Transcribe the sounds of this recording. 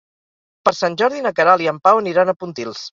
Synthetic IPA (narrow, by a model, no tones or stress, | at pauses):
pəɾsanʲʒɔɾðinəkəɾalˠiəmpawəniɾanəpunt̪ilˠs